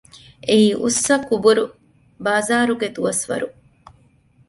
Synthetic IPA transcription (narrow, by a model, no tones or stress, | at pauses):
eiːʔusːɐkubuɾu | baːzaːɾuɡet̪uʋɐsʋɐ̰ɾu